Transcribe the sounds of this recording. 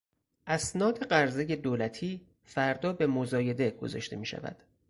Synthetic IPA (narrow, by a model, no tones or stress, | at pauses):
ʔæsnɒːd̪e̞ɢæɾze̞je̞d̪oːlæt̪ʰiː | fæɾd̪ɒːbe̞mozɒːje̞d̪e̞ɡ̥o̞̰zɒ̰ʃt̪e̞miːʃæ̰væ̰d̪̥